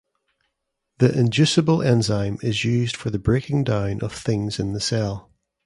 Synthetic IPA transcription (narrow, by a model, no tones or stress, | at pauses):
ðiʔɪ̃nd͡ʒʉsəbəlˠʔɛ̃nzãɪ̃mɪzjʉːzd̥fə˞ðəbɹekɪ̃ŋdãʊ̃nʔə̰v̥θɪ̃ŋzɪ̃nðəsɛlˠ